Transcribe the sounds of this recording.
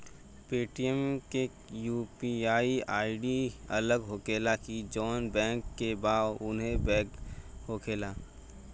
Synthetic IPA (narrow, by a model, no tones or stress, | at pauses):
peːʈijɛmke | juːpiaːiaːiɖiɐləɡɦokeːlakid͡ʒɔːnbɛ̃ːŋkːebaːʊnɦẽbɛːkɦoːkʰeːlaː